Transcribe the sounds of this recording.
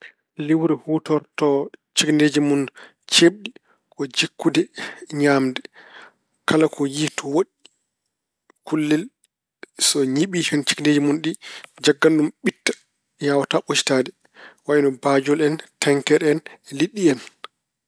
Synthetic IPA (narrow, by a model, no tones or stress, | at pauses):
liwɾɛhuːtɔɾtɔt͡ʃiknded͡ʒimun | t͡ʃebɗi | kɔd͡ʒikːudɛɲaːmdɛ | kalakʰɔjihtɔwoɗi | kulːɛl | sɔɲiɓiʃɔnt͡ʃi̥knded͡ʒimunɗid͡ʒaɡːanɗumɓitːḁ | jawataʔot͡ʃi̥tadɛ | waʔnɔbad͡ʒɔlɛntʰɛŋkɛɾɛnliɗːiɛn